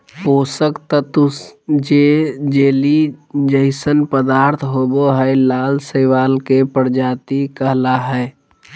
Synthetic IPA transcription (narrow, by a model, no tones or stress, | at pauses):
poːsəkt̪ət̪ʊsd͡ʒed͡ʒeːlid͡ʒəɦɪsənpəd̪aːɾt̪ʰɦoːboɦɛjlaːlsəɪʋaːlkepəɾd͡ʒaːt̪ikəɦlaɦɛː